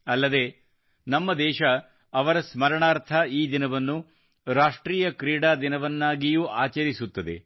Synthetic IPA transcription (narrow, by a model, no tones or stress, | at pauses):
ɐlːɐd̪e̞ | nɐmːɐd̪ɛːʃɐ | ɐʋɐɾɐsmɐɾɐɳaːɾt̪ʰɐiːd̪inɐʋɐnːu | ɾaːʂʈɾiːjɐkɾiːɽaːd̪inɐʋɐnːaːɡijuːʔaːt͡ʃɐɾisut̪ːɐd̪e̞̰